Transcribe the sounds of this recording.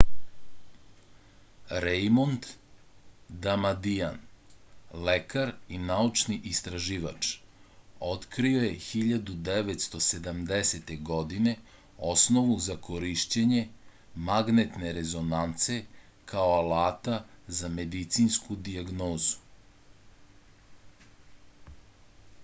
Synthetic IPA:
ɾejmont̪ | d̪amad̪ijan | lekaɾinaut͡ʃniʔist̪ɾaʒiːʋa̰t͡ʂ | o̞t̪kɾio̞je̞xiʎad̪ud̪eʋet̪st̪o̞se̞d̪amd̪eset̪e̞ɡo̞d̪ine̞ | osnoʋuzakoɾiʃt͡ɕeɲe̞ | maɡnet̪ne̞ɾezo̞nant̪se̞ | kʰaoalaːt̪azame̞d̪it̪sinskud̪iaɡnoːzu̥

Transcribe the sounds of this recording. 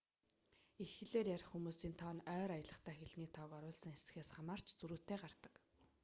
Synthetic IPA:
ixɘ̆ɮeːrjarʲχxumuːsiːnt̪ʰɔːnœːɾajə̆ɮə̆χt̪ʰæːxeɮ̆ŋiːt̪ʰɔːkɔɾʊːɮsə̆ŋesɘ̆xeːsχamaːr̥t͡ɕt͡suɾuːt̪æːɢart̪ə̥̆k

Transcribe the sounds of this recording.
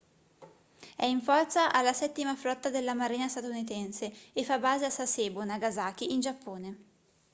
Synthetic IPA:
ɛiɱfɔrt̪saʔalːasɛt̪ːimafɾɔt̪ːad̪elːamaɾiːnast̪at̪unit̪ɛnseefːabaːzeasaseːbonaɡazaːk̟iʔind͡ʒapːoːne

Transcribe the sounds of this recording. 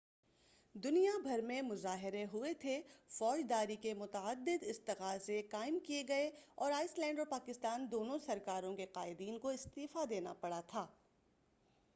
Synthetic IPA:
d̪ʊnijabʱɐɾmẽmʊzaːɦɪɾeɦʊet̪ʰefɔːd͡ʒd̪aːɾikemʊt̪əəd̪ːɪd̪ɪst̪ɪqaːzekaːɪmkieɡɐeɔːɾaːɪslɛ̃ːɳɖɔːɾpaːkɪst̪aːnd̪oːnõsɐɾkaːɾõkeqaːɪd̪iːnkoɪst̪iːfad̪eːna̰pɐɽat̪ʰaː

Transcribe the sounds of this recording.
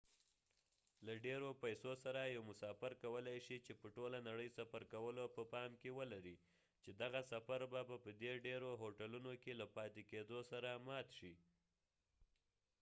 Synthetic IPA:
laɖeɾopajsosaɾajawmʊsɑfaɾkawəlajʃit͡ʃepəʈolanaɽəjsafaɾkawəlopəpɑmkewəlaɾi | t͡ʃed̪aɣasafaɾbabapəd̪eɖeɾoɦoʈalunokelapɑt̪eked̪osaɾamɑt̪ʃi

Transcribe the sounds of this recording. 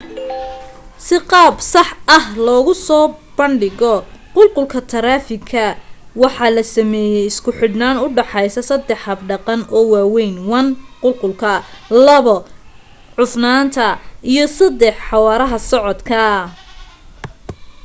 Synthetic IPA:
sɪqɑːbsɑħɐhlɔːɣʊsɔːb̥ɐɳɖɪɣɔqʊlqʊlkʰɐt̪ʰɐɾaːfɪkʰɐwɑħɑːlɐsɐmɛːjɛjɪskʰʊħɪdnaːnʊɖɑħɑjsɐsɐd̪ːɛħhɐbɖɑqɑnɔːwaːwɛjnwɑnqʊlqʊlkʰɐlɐβɔ | ʕʊfnaːnt̪ʰɐʔijɞsɐd̪ɛħħɑwɑːɾɐɦɐsɔʕɔd̪kʰɐ

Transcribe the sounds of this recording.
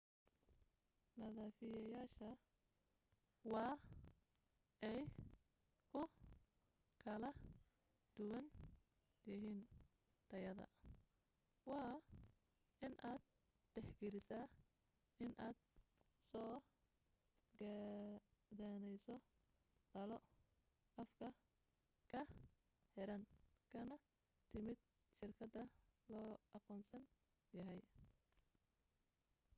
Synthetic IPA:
nɐðaːfɪjɐjaːʃɐ | wɑː | ɛj | kʰʊ | kʰɐlɐ | d̪̥ʊwɐn | jɪɦiːn | t̪ʰɐjɐðɐ̰ | wɑː | ɪnʔaːd̪̚ | t̪ɛħɡɛlɪsaː | ɪnʔaːd̪̥sɔː | ɡɐ | ðaːnɛjsɔ | ɖɐlɔ | ɐfkʰɐ | kʰɐ | ħɛɾɐnkʰɐnɐ | t̪ʰɪmɪd̪̚ | ʃɪrkʰɐd̪ɐlɔːʔɑqɔːnsɐn | jɐɦɛj

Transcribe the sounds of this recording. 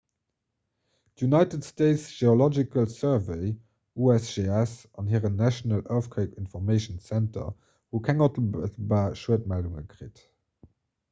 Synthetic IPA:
djunɑɪtətsteɪtsʒ̥eolɔd͡ʒikəlsɜɐvəɪ | uɛsʒeɛsɑnhiːʁənnæʃonəlʔaʊfkʰəɪpinfɔʁmeɪʃənsæntɐ̰ | huːkʰæŋɑtl̩ətəl̩baːɐʃət̚mælduŋə̰kʁḭt

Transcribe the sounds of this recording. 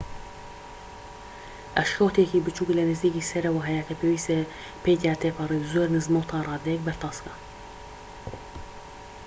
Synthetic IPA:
ʔɛʃkoːt̪ʰekiːbɨt͡ʃʰuːklɛnɨziːkiːsɛɾɐwaɦɛjakʰɛpʰeːwiːst̪e | pʰeːt̪aːt̪ʰepɑɾizoɾnɨzmoːt̪ʰɑːrˤɑːd̪ɛk̚bɛɾt̪ʰɑːskɑ

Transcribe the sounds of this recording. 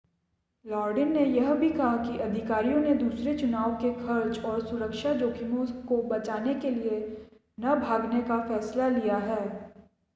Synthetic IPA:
lɔːɾɖɪnːejɐɦbʱikɐɦakiʔɐd̪ʱɪkaːɾijõned̪uːsɾet͡ʃʊnaːʋkexʰɐɾt͡ʃɔːɾsʊɾəkʃad͡ʒoːkɪmõkobɐt͡ʃaːnekelie | nɐbʱaːɡnekafɛːslalijaɦɛː

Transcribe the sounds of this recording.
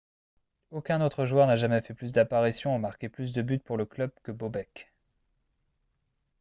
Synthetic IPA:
okʲɛ̃not̪χəʒwœʁnaʒamɛfɛplys̬d̪apaʁisjɔ̃umaʁkʲeplys̬d̪əbyt̪̚puʁləklœb̚kəbobɛkʲ

